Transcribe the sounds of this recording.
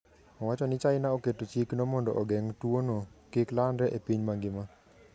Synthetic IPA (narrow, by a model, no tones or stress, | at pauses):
ɔwat͡ʃɔnɪt͡ʃaɪnaoketot͡ʃiknɔmɔndɔ̰ʔɔɡɛŋtwonokiklandɛʔepiɲmaŋɡɪma